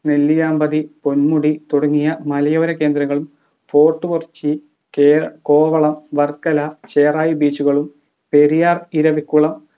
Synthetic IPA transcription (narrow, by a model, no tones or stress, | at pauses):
ne̞lːijaːmbɐðipo̞nmuɽit̪oɽɐŋːijɐmɐlɐjoːɾɐke̞ːnd̪ɾɐŋːɐɭum | fo̞ːʈːɨʋort͡ɕːi | keko̞ːʋɐɭɐmʋɐrkːɐlɐt͡ɕe̞ːraːjibiːt͡ɕːuɣɐɭum | pe̞ɾijaːriɾɐʋikʲːuɭɐm